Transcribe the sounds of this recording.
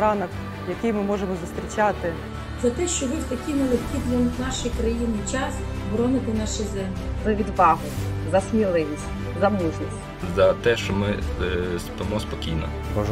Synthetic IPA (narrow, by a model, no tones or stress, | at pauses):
ɾɑnɐk | jɐkɪjmɪmɔʒemɔzʊst̪ɾʲit͡ʃɑt̪ɪ | zɐt̪ɛʃt͡ʃɔɦɔspɐkʲijnɐlˠexkʲid̪ʲlʲɔmnɑʃɪjkɾɐjinɪjt͡ʃɑsbɾɔnɪt̪ɪnɑʃɪzɛmlʲɪzɐʋʲid̪ʋɑɦʊzɐsmʲilˠɪʋʲisʲ | zɐmuʒʲisʲ | zɐt̪ɛʃt͡ʃɔmɪspɐmɔspɔkʲijnɐ̰ | ɔ